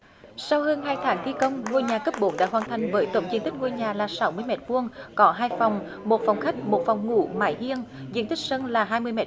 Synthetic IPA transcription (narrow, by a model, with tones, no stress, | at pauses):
sa˧whəː˧nɦaː˧jt̪ʰaː˨˦ŋt̪ʰi˧kə˧wŋ͡mŋo˧jɲaː˨˩kə˦˥p̚ɓo˨˦ɗa̰ː˧˨jhwaː˨˩nt̪ʰa˨˩jŋ̟vəː˨˦jzt̪o̰˧˩˨ŋ͡mzi˧ənt̪i˦˥k̟̚ŋo˧jɲaː˨˩laː˨˩sa˨˦wmɨ˧əjmɛ˨˩t̚vu˧əŋkɔ˨˦ɦaː˧jfa˨˩wŋ͡m | mo˨˩t̚fa˨˩wŋ͡mxa˦˥jk̟̚mo˨˩t̚fa˨˩wŋ͡mŋṵ˧˥ma̰ː˧˩jhi˧ənzḭ˧ənt̪ï˦˥k̚sə˧nlaː˨˩ɦaː˧jmɨ˧əjmɛ̰˧˩